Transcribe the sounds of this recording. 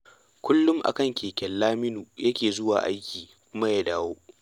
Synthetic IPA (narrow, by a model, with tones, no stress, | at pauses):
kʷʰʊ˦lːʊ˦mʔa̰˨kɐ˦˨ŋkʲeː˨kʲɛ˨lːaː˦mɪ˦nuː˨jɐ˦kʲeː˨zʊ˦waː˨ʔa̰˦jkʲiː˨ | kʷʊ˦ma˦jaː˦daː˦woː˦ʔ